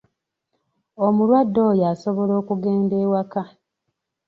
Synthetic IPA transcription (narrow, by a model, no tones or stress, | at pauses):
omulwadːo̞jaso̞βo̞lo̞ːkuɡeːndeːwaka